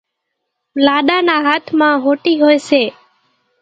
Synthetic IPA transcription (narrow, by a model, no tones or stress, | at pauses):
laːɗanaɦaːt̪ʰmãɦoːʈiɦojʃeː